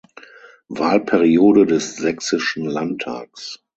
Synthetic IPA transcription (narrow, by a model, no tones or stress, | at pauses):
vaːlpʰɛʁioːdədɛszɛksɪʃn̩lantʰːa̰ːks